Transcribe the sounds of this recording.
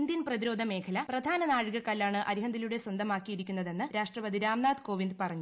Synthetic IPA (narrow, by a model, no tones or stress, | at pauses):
ndinprɐðiɾo̞ːd̪ʱɐme̞ːkʰɐlɐprɐd̪ʱaːnɐnaːɻɨɣɐkːɐlaːɳɨʔɐɾiɦɐnd̪iluɽe̞swɐnd̪ʱɐmaːkːijiɾikʲːunːɐðe̞nːɨɾaːʂʈrɐʋɐd̪iɾaːmnaːd̪ko̞ːʋind̪pɐrɐɲːu